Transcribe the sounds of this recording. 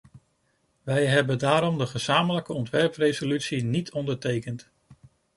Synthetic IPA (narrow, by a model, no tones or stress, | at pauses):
ʋɛjɦɛbədaːɾɔmdəχəz̥aːmələkəɔntʋɛɹprejzolytsinitʰɔndəɹtejkənt